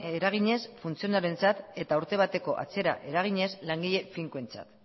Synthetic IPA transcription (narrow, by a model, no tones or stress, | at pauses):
eɾaɣ̞iɲe̞sfunt͡sio̞naɾe̞nt͡sat̪e̞t̪auɾt̪e̞β̞at̪e̞ko̞ʔa̰t͡se̞ɾa̰ʔe̞ɾaɣ̞iɲe̞slaŋɡiʎe̞fiŋkue̞nt͡sa̰t̪